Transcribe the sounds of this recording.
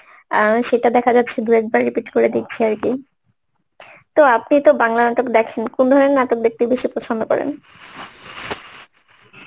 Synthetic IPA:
ʃeʈad̪ɛkʰad͡ʑatːɕʰed̪uɾɛk̚baɾːipiʈkoɾed̪ik̚t͡ɕʰiaɾki | t̪oap̚nit̪obaŋlanat̪okd̪ɛkʰenkond̪ʱɔɾenat̪ok̚d̪ek̚t̪ibeʃipɾot͡ɕʰond̪okɔ̰ɾḛn

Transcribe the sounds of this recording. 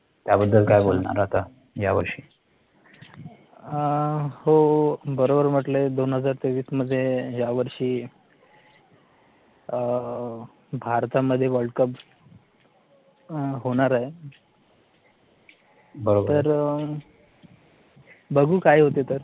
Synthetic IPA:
t̪jabəd̪ːəlkajbolɳa̰ɾat̪a | ja̰ʋə̰ɾʂiː | hobəɾobəɾm̤əʈled̪onɦəd͡zaɾt̪eʋiːsməd̪ʱːjejaʋəɾʂiː | bʱaɾt̪aməd̪ʱːjeʋəlɖkəp | ɦoɽ̃aɾaɦe | bəɾobt̪əɾ | bəɡʱuːkaɦiɦot̪et̪əɾ

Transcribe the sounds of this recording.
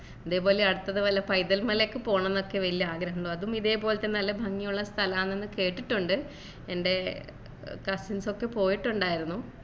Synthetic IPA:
ɐðeːpo̞ːleɐɽut̪ːɐðɨʋɐlːɐpɐjd̪ɐlmɐlekːɨpo̞ːɳɐ̃nːo̞kːe̞ʋɐlijɐaːɡɾɐɦɐɳɖoɐðumiðe̞ːpo̞ːlet̪ːenɐlːɐbʱɐŋːijuɭːɐst̪ʰɐlɐaːnːenːɨke̞ːʈːiʈːuɳɖɨ | ende̞ | kɐsinso̞kːe̞po̞ːjiʈːuɳɖaːjiɾunːu

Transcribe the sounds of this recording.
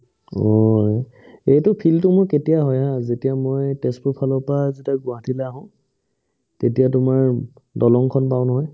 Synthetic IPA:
ɔj | ejtʊpʰiltʊmʊjketijaɦɔjãzetijamojtestʊpʰalɔpazetiaɡʊatʰilɛaɦɔ̃ | tetijatʊmaɹ | dɔlɔŋkʰɔnpaʊnɔɦɔj

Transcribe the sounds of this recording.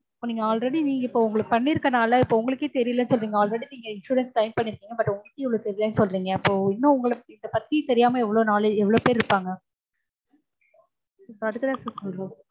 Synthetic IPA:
ɪpːoːniːŋɡɐaːlɾɛɽiniːŋɡɐɪpːoːʊŋɡɐɭɯkːpɐɳːɪɾɯkːɐnaːlɐɪpːoːʊŋɡɐɭɯkːeːt̪ɛɾɪjlɐnːɯsɔlɾiːŋɡɐaːlɾɛɽiniːŋɡɐɪnʂuːɾɛnsʈɐɪmpɐɳːɪɾɯkːiːŋɡɐbɐʈːʊŋɡɐɭkːẽːɛʋɐɭoːt̪ɛɾɪjlɐnːɯsɔlɾiːŋɡɐɪpːoːɪnːõːʊŋɡɐɭɪnd̪ɐpɐt̪kijt̪ɛɾɪjaːmɐɛʋːɐɭoːnaːlɐɛʋːɐɭoːpeːɾɪɾɯpːaːŋɡɐ | ɪpːoɐðɯkːɯt̪ãːsɐɾɔɾɐ

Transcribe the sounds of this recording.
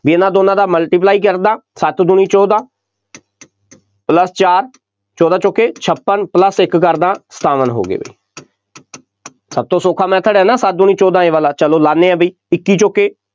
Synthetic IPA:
biːənãːd̪oːnãːd̪aːməlʈiːp̬laːiːkəɾd̪ãːsət̪d̪ʊniːt͡ʃɔːd̪ãː | pləst͡ʃaːɾ | t͡ʃɔːd̪ãːt͡ʃokːeːt͡ʃʰəpːənpləsɪkːəɾd̪ãːsə̥t̪aːʋənɦo̰ːɡḛːbə̰ḭː | səb̚t̪õːsoːkʰaːmɛ̃ːt̪ʰəɽɛːnãːsət̪̚d̪ʊnĩːt͡ʃɔːd̪ãːẽːʋaːlãːt͡ʃəloːlaːnːeːɛ̃ːbəiː | ɪkːiːt͡ʃokːeː

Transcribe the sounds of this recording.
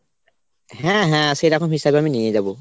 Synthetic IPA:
ɦɛ̃ɦɛ̃sejɾakʰɔmɦisabeaminijed͡ʒabo

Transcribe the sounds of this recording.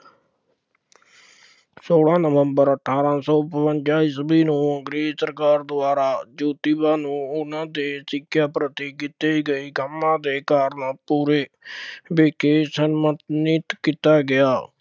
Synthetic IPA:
soːlãːnəʋəmbəɾəʈʰaːɾãːsɔːpəʋəɲt͡ʃaːiːsəbiːnũːəŋɡɾeːd͡ʒsəɾkaːɾd̪ʊaːɾaːd͡ʒuːt̪iːbãːnũːʊnãːd̪eːsɪkʰːjaːpɾət̪iːkɪt̪iːɡəiːkəmːãːd̪eːkaːɾnaːpuːɾeːbeːkeːsənmət̪nɪt̪kit̪aːɡɪaː

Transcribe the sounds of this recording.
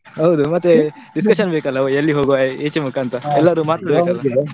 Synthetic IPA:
ɦɐwd̪umɐt̪ːe | ɖiskɐʃɐnbeːkɐlːɐoelːiɦoːɡuʋaːeːt͡ʃemukʰaːnt̪ɐɛlːɐɾuːmaːt̪ɾɐbekɐlːɐ

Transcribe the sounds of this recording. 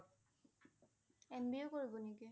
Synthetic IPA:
ɛnbiokoɹibɔniki

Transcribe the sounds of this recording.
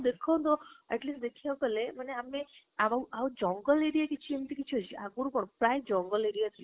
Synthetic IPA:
d̪ekʰaw̃t̪ɔɛ̰ʈlisʈd̪ekʰjawpəleməneame | aʋauʔaud͡ʒɔ̃ŋɡəleɽijakit͡ʃʰiemt̪ikit͡ʃʰiɦɔt͡ʃʰiʔaɡuɾũpəɳ̃pɾajd͡ʒɔ̃ŋɡəleɽijat̪ʰi

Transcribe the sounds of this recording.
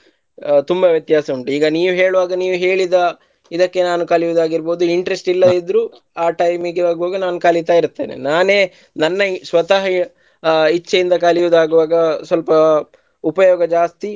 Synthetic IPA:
t̪umbɐʋjɐt̪jaːsɐuɳʈuiːɡɐniːʋuɦeːɭuʋaːɡɐniːʋuɦeːɭid̪ɐ | id̪ɐkːe̞naːnukalijud̪aːɡiɾbo̞ːd̪uiɳʈɾesʈilːɐid̪ɾuː | aːʈɐjmiɡaːɡuʋaːɡɐnaːnukaːlit̪aːiɾt̪ːe̞ːnḛnaːne̞ː | nɐnːɐsʋɐt̪ɐɦɐ | it͡ʃːɐjind̪ɐkalijud̪aːɡuʋaːɡɐsʋɐlpɐ | upɐjɔːɡɐd͡ʒaːst̪i

